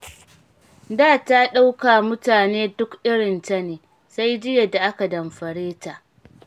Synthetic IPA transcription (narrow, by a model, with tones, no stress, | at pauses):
daː˦˨ta˦ɗa˦wka˨mʊ˦taː˨neː˦dʊ˦kʔɪ˦ɽɪ˨nta˦neː˨ | sa˦jd͡ʒɪ˦je˨da˨ʔa˦ka˨dɐ˨mɸɐ˨ɽeː˦ta˨ʔ